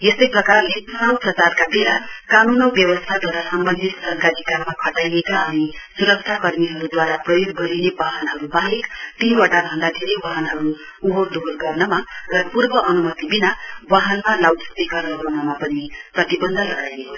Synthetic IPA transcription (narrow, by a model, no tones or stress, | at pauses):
jest̪ʌjprʌkarlepunawprʌt͡sarkabelakanunʌwbjʌbʌst̪ʰad̪ʌɾasʌmbʌnd̪ʱit̪sʌŋkaɾikamːakʰʌʈajekaʌnisuɾʌk̚t͡ʃʰakʌrmiɦʌɾud̪waɾaprʌjoɡ̚ːʌɾinebaɦʌnɦʌɾubaɦekt̪iwaʈabʱʌnd̪ad̪ʱeɾejwaɦʌnɦʌɾu | uɦokd̪ʱolɡʌrnʌmarʌpurbʌʔʌnumʌt̪ibinawaɦʌnmalawtʌ̥t̪ikʌrʌɡanʌmapʌniprʌt̪ibʌnd̪ʱʌlʌɡajneko